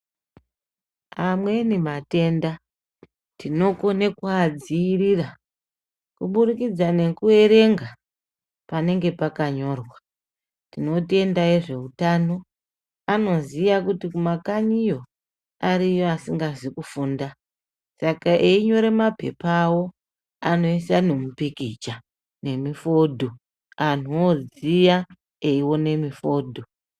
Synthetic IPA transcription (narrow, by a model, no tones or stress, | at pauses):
amwe̞nimate̞nda | tino̞ko̞ne̞kad͡ziːrira | kuɓuɾikid͡zane̞kue̞ɾe̞ŋɡa | pane̞ŋɡe̞pakaɲo̞rwa | tino̞te̞ndaeʐe̞utano̞ | ano̞ziʋakutikumakaɲijo̞ | aɾijoasiŋɡazikufuːnda | sakaʔeiɲo̞ɾemape̞̰pawo̞ | ano̞isane̞mupikit͡ʃa | ne̞mifo̞dʱo | an̤uozija | eiwo̞ne̞mifo̞ːdʱo